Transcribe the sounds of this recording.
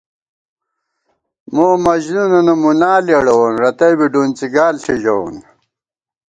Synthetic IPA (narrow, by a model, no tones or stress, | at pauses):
moːmɐʑnunɐnɐmunaːljeɽɐwɐnɾɐt̪ɐjbiɖunt͡siɡaːlɕʰiʑɐwṵn